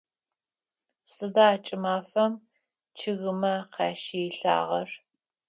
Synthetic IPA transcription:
sɨdaːt͡ʃʼɪmaːfɐm | t͡ʃʰɪɣɨmɐqɑːʃiɪɬa̰ːʁɐr

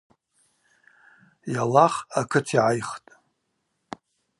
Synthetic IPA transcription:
jalaχakʰɨtʰiʕajχtʼ

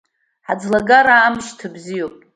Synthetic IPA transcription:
ħad͡zlaɡaɾaːmʃtʰɨbzijopʼ

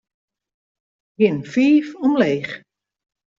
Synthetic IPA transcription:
ɡɪnfiːfɔmleːx

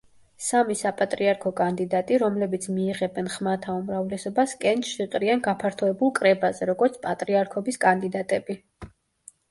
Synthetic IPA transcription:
samisapʼat̪ʼɾiaɾkʰɔkʼand̪id̪at̪ʼiɾɔmlɛbit̪sʰmiːʁɛbɛnχmat̪ʰaumɾavlɛsɔbaskʼɛnt͡ʃʃɛt̪ʼɾianɡapʰaɾt̪ʰɔɛbulˠkʼɾɛbazɛɾɔɡɔɾt̪sʰpʼat̪ʼɾiaɾkʰɔbiskʼand̪id̪at̪ʼɛbi

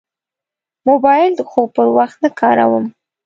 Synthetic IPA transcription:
mobɑjɪld̪əxopəɾwaxt̪̚nakʰɑɾa̰wəm

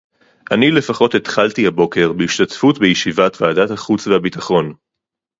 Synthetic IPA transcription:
ʔanile̞faχo̞tet̪χaltihabo̞ke̞ʁbeiʃtatfutbejeʃivatvaːdathaχut͡svehabitaχo̞n

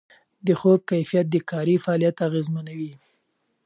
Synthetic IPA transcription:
d̪əxob̚kajfijat̪̚d̪əkɑɾifaɑːlijat̪aɣezmanawi

